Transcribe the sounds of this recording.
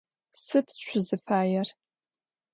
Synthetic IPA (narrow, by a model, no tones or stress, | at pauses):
sɨtʰt͡ʃʷʰʊzɨfaːjar